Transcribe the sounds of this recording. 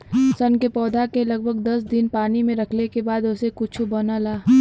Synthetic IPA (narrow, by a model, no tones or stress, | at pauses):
sɐnkepɔːd̪ʱakelɐɡ̚bʱəɡd̪ɐsd̪ɪnpaːnimẽɾɐkʰlekebaːd̪ʊsekʊt͡ʃʰobɐnalaː